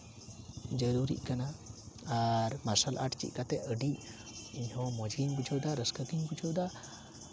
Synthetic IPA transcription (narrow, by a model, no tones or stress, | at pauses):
d͡ʒəɾuɾḭʔkana | aɾmasəlʔa̰ʈt͡ʃḭʔkat̪ɛəɖiʔ | iɲhɔ̃mɔd͡ʒɡiɲbud͡ʒʰɔwd̪aɾəskəɡiɲbud͡ʒʰɔwd̪a